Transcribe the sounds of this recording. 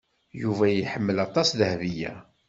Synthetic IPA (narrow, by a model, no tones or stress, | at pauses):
juvæjiħəmːəlɑt̪ˤɑsðəhvijæ̰